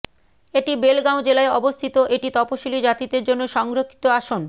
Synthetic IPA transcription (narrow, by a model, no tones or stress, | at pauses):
eʈibelɡawd͡ʑelaeɔbost̪ʰit̪oʔeʈit̪ɔpoʃilid͡ʑat̪id̪eɾd͡ʑonːoʃɔŋɡɾokʰːi̥t̪oaʃon